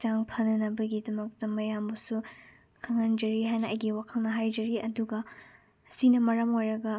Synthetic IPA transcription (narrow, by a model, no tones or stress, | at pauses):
t͡ʃaŋpʰɐnːɐnɐbɐɡidɐmɐk̚tɐmɐjambɐsu | kʰɐŋɐnd͡ʒɐɾiɦajnɐʔɐjɡiwakʰɐlnɐɦajd͡ʒɐɾiʔɐduɡɐ | ɐsinɐmɐɾɐmojɾɐɡɐ